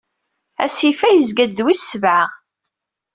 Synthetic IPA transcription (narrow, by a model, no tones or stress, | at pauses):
æ̰sifæjəzɡæd̪wisːəvʕa